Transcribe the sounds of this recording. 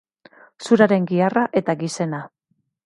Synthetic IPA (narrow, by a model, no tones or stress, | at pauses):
suɾaɾe̞ŋɡiaraʔe̞t̪aɡise̞na